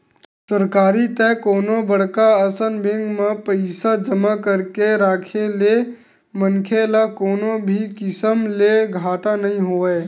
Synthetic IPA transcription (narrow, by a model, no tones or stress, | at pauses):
səɾkaːɾit̪ɛ̃koːnobəɽ̤kaəsənbẽŋɡmẽpəɪsad͡ʒəmakəɾkeɾaːkʰele | mənkʰelakoːnobʱikɪsəmleɡʱaːʈanəɦĩɦoːe